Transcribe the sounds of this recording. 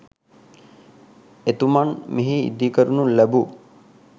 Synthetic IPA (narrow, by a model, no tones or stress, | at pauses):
et̪umanmiɦiḭd̪ikəɾunulæbu